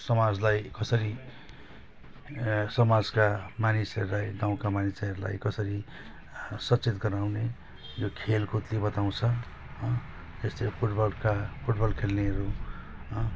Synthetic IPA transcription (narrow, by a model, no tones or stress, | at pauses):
sʌmad͡zlajkʌsʌɾi | sʌmad͡zkamanisʌɾlajɡaw̃kamanisʌɾula̰jkʌsʌɾi | sʌt͡sit̪ɡʌɾawne | jokʰelkot̪lebʌt̪aw̃t͡sʰʌ | ʌ | d͡zʌst̪epʰuʈbʌlkapʰuʈbʌlkʰelneɦʌɾuʌ